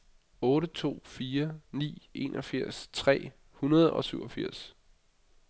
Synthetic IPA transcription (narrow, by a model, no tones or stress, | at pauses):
ɔ̽ːɾət͡sʰo̝̰ːfiːɐnḭːe̝nʔɒfiɐ̰st͡sʰʁɛ̰ː | hunɐð̞ˠɒ̽syʊɒ̽fiɐ̰s